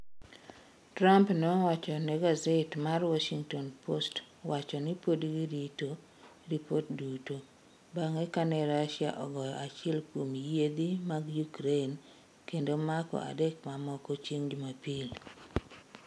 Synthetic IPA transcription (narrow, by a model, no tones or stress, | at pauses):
tɾampnɔwat͡ʃɔnɛɡazetmarwaʃiŋtɔnpʰost | wat͡ʃɔnipodɡiɾito | ɾipotduto | baŋɛkanɛɾaʃja̰ʔɔɡɔjɔ̰at͡ʃɪɛlkwomjed̪imaɡjukɾen | kendomakɔ̰ʔa̰dɛkmamɔkɔt͡ʃiŋd͡ʒumapil